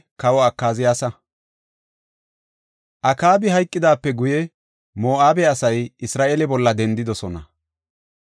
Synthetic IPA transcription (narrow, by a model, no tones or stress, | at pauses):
kɐwɔɐkːaːzɪjaːsɐ | ʔɐkaːbɪɦɐjkʼːɪd̪aːpːɛɡʊjɛ | moːʔaːbɛɐsɐjɪsɾaːʔeːlɛbɔlːɐd̪ɛnd̪ɪd̪ɔsɔnɐ̰